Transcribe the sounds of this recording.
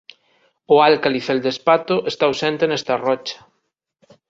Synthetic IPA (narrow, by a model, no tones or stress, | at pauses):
ʊalkaliθeld̪espat̪ʊʔest̪awsɛnt̪enɛst̪arɔt͡ʃḁ